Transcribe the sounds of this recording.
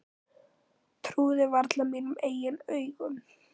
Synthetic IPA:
t̪ʰɾuːðɪvaɾt̪lamiːnʏmeːjɪnœːɥɣʏm

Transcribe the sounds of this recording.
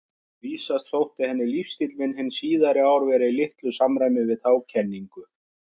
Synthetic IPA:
viːsast̪θowht̪ɪhɛnːɪlifst̪it̪lmɪnhɪnːsiːðaɾɪaːwɾvɛɾɪilɪht̪lʏsamɾajmɪvɪðθawcʰɛnːiŋkʏθ

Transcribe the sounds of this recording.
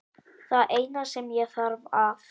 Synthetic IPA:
θaðʔejnasɛmjɛθaɾvav

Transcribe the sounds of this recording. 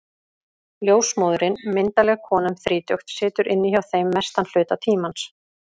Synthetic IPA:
ljoːwsmoːðɾɪnmɪnt̪alɛɣkʰɔːnʏmθɾiːt̪jœxt̪sɪːt̪ʏɾʔɪnːɪçawθejmːɛst̪anl̥ʏːt̪at̪ʰiːmans

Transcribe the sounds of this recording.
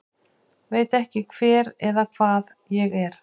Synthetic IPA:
veːjt̪ɛhcɪkʰv̥ɛːɾɛðakʰv̥aːð | jɛɣɛɾ̥

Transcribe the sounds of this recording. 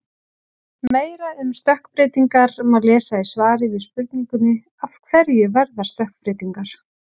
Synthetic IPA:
meːjɾaʏmst̪œhkpɾɪːt̪iŋkaɾɛmalɛːsaisvaːɾɪvɪðspʏɾt̪niŋkʏnɪ | afkʰv̥ɛɾjʏvɛɾðḁst̪œhk̚pɾɪːt̪iŋkaɾ̥

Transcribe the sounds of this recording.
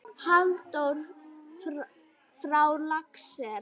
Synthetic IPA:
halt̪ɔɾ | fɾawlaksɛɾ

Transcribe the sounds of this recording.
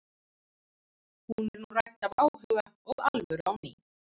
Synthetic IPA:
hunɛɾnurajt̪avaːwɦœɣaɔɣalvœɾawni

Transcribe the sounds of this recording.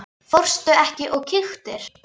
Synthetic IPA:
fɔwr̥st̪ʏɛhcɪʔɔɣcʰɪxt̪ɪɾ̥

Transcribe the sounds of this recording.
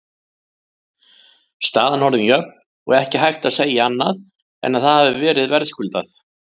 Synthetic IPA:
st̪aːðanvɔwɾðɪmjœp̚n | ɔ̰ɣɛhcɪɦajht̪aðseːjaanːað | ɛ̰nːaðθaðhavʏvɛːɾɪðvɛɾðskʏlt̪aθ

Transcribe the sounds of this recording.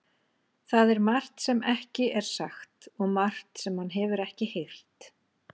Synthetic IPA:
θaðɛɾmar̥t̪sɛmɛhcɪʔɛɾ̥saxt̪ɔɣmar̥t̪sɛmhanːɦɛvʏɾɛhcɪhejl̥t̪

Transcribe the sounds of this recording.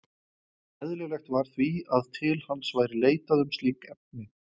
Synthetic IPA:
ɛðlɪɣvlɛxt̪vaɾ̥θviaðt̪ʰɪlhanːsvaːjɾɪleːjt̪aðʏmst̪liːkɛp̚nɪ

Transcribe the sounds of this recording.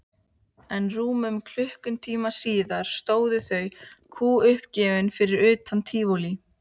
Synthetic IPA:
ɛnruːmʏmkʰl̥ʏhkʏnt̪ʰiːmasiːðaɾ̥st̪oːwðʏθœɥkʰuːʏhpcɛːvɪnfɪɾɪɾʏːt̪ʰant̪ʰiːvoli

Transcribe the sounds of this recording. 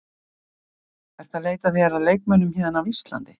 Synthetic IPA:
ɛɾ̥t̪aðleːjt̪aθiɛɾaðleːjk̚mœnʏmhiːðanavist̪la̰nt̪ɪ

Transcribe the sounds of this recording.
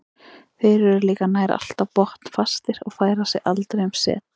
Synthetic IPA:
fejɾɛɾɾliːkanaːjɾa̰a̰l̥t̪apɔht̪n̥fast̪ɪɾɔɣfaːjɾasɪʔalt̪ɾejmsɛ̰ːt̪

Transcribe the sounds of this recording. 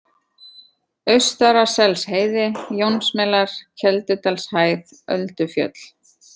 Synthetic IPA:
œɥst̪aɾḁsɛlsheːjðɪjownsmɛlaɾ̥cʰɛlt̪ʏt̪alshaːjð | œ̰lt̪ʏfjœ̰t̪l̥

